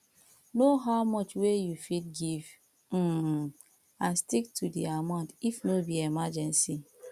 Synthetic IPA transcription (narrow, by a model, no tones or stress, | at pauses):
noɦaʊmɔt͡ʃwejufit̚ɡiv | m̩ | ãnstik̚tudiamãʊ̃ndifnobiemad͡ʒɛ̃nsi